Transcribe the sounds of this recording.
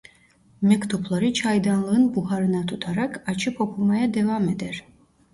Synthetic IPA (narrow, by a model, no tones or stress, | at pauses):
mɛkt̪ʰupʰlˠaɾɯt͡ʃʰajd̪anlˠɯɯnbuɦaɾɯnat̪ʰut̪ʰaɾakʰat͡ʃʰɯpʰo̞pʰumajad̪evamed̪ɛɾ